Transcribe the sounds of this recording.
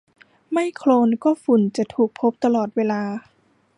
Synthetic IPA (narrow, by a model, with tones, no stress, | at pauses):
ma˥˩jkʰloː˧nkɔː˥˩fu˨˩nt͡ɕa˨˩t̪ʰuː˨˩k̚pʰo˦˥p̚t̪a˧lɔː˨˩t̪̚weː˧laː˧